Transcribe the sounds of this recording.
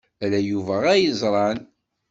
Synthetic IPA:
ælæjuvæʁæjəzˤɾˤɑn

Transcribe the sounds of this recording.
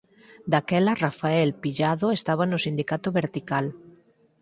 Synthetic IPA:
d̪akɛlarafaɛlpiʎaðoest̪aβ̞anosind̪ikat̪oβeɾt̪ikal

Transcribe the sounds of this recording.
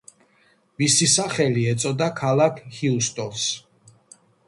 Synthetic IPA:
misisaχɛliɛt̪sʼɔd̪akʰalˠakʰhiust̪ʼɔlˠs

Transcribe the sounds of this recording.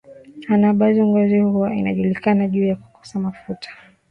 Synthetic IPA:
anaɓazɔŋɡɔzihuwaina̰ʄulikanaʄuːjaku̥kɔ̥samafutʰḁ

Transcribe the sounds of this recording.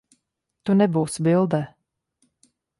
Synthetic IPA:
t̪unɛbuːsbilˠd̪ɛː

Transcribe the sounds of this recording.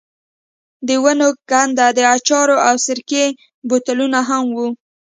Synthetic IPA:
d̪əwanokand̪ad̪əat͡ʃɑɾoawsɪɾke | bot̪alunaɦamwu

